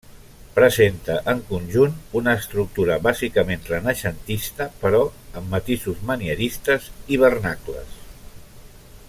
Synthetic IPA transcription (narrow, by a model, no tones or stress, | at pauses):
pɾəzent̪əʔəŋkunʲʒununəːst̪ɾuk̚t̪uɾəβazikəmenrənəʃənt̪ist̪əpəɾɔəmːət̪isuzməniəɾist̪əziβ̞ərnaklə̰s